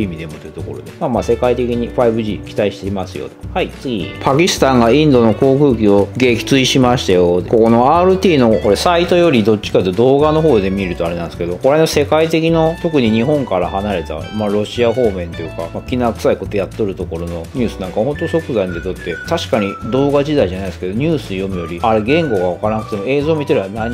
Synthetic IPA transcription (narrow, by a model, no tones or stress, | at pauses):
imʲid̪e̞moit̪et̪o̞ko̞ɾod̪emamaːse̞kait̪e̞kʲiɲ̟iɸaibɯ̟ʑiːkʲi̥t̪aiɕi̥t̪eimasɨjo̰t̪o̥hait͡sɨɡʲḭpʰakʲisɨ̥t̪ãŋɡaĩnd̪o̞no̞ko̞ːkɯ̟ːkʲio̞ɡe̞ːkʲi̥t͡sɨiɕimaɕi̥t̪ajo̞ko̞ko̞no̞aːɾɯ̟t̪ʲiːno̞koɾe̞sait̪o̞jo̞ɾʲid̪o̞t̚t͡ɕːi̥kat̪ːd̪o̞ːɡano̞ɦo̞ːd̪e̞mʲieɾɯ̟t̪o̞aɾe̞nãñsɨ̥ke̞d̪o̞koɾenose̞kait̪e̞k̬ʲino̞t̪o̞kɯ̟ɲ̟iɲ̟iɦõ̞ŋkaɾahanaɾe̞t̪a̰maɾo̞ɕiaɦo̞ːmẽ̞nt̪o̞jɯ̟ka̰makʲinakɯ̟saiko̞t̪ojat̪ːo̞ɾɯ̟t̪oko̞ɾo̞no̞ɲ̟ɨːsɨnãŋkaho̞nt̪oɕo̞kɯ̟zaĩnd̪e̞t̪o̞t̪ːe̞t̪aɕi̥kaɲ̟id̪o̞ːɡaʑid̪aiʑanaiesɨ̥ked̪oɲ̟ʲɨːsɨojo̞mɯ̟jo̞ɾʲiaɾe̞ɡẽ̞ŋɡo̞ɡaβakaɾanakɯ̟t̪e̞mo̞e̞ːzo̞ːmʲit̪eɾebanaɲ